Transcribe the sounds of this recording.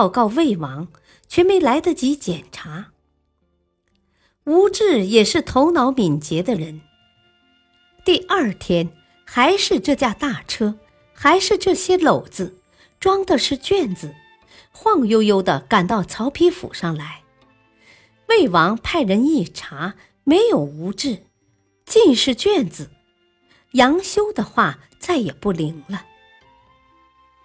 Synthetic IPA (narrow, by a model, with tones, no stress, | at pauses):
pɑ˥˧ʊkɑ˥˧ʊwe˥˩ɪwɑ˧˥ŋ | t͡ɕʰɥɛ˥me˧˥ɪla˧˥ɪd̪ə˧t͡ɕi˧˥t͡ɕjɛ˨˩nʈ͡ʂʰa˧˥ | u˧˥ʈ͡ʂɻ̩˥˩jɛ˨˩ʂɻ̩˥˩t̪ʰo˧˥ʊnɑ˧˥ʊmi˨˩nt͡ɕjɛ˧˥d̪ə˧ɻə˧˥n | t̪i˥˧ʔɐ˞˥˩t̪ʰjɛ˥n | xa˧˥ɪʂɻ̩˥˧ʈ͡ʂɤ˥˧t͡ɕja˥t̪a˥˩ʈ͡ʂʰɤ˥ | xa˧˥ɪʂɻ̩˥˧ʈ͡ʂɤ˥˩ɕjɛ˥lo˨˩ʊt͡sɹ̩˧ | ʈ͡ʂwɑ˥ŋd̪ə˧ʂɻ̩˥˧t͡ɕɥɛ˥˩nd͡zɹ̩˩ | xwɑ˥˧ŋjo˥ʊjo˥ʊd̪ə˨ka˨˩nt̪ɑ˥˩ʊt͡sʰɑ˧˥ʊpʰi˥fṵ˨˩ʂɑ˥˩ŋla˧˥ɪ | we˥˩ɪwɑ˧˥ŋpʰa˥˩ɪɻə˧˥ni˥˩ʈ͡ʂʰa˧˥ | me˧˥ɪjo˨˩ʊu˧˥ʈ͡ʂɻ̩˥˩ | t͡ɕi˥˧nʂɻ̩˥˧t͡ɕɥɛ˥˩nd͡zɹ̩˩ | jɑ˧˥ŋɕjo˥ʊd̪ə˨xwa˥˩ | t͡sa˥˩ɪjɛ˨˩pu˥˩li˧˥ŋlə˧